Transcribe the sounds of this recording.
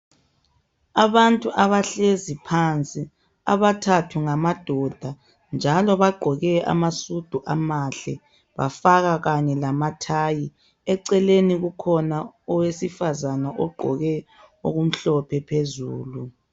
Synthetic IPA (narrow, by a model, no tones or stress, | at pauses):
aβantʼuʔaβaɬezipʰant͡sʼi | a̰βatʰatʰuŋamad̥ʱɔd̥ʱa | nd͡ʒʱalɔβaɡ͡ǃʱɔɣɛʔa̰masud̥ʱuʔa̰maɬɛ̰ | βa̰faɣaɣaɲɛlamatʰaːji | ɛǀɛleniɣukʰɔnaɔwesifazanaʔɔɡ͡ǃʱɔ̰ɣɛ | o̰ɣum̩ɬɔpʰɛpʰezuːlu